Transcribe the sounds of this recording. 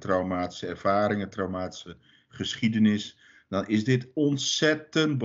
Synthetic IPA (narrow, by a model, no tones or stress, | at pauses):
trawmaːti̥səɛrv̥aːɾɪŋətrawmaːti̥sə | χəsχidənɪs | dɑnɪzdɪtɔntsɛtənt̚b